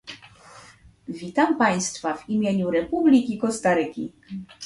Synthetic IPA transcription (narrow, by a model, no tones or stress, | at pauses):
vʲit̪ampaj̃st̪favimʲjeɲuɾɛpublʲikʲikɔst̪aɾɘkʲḭ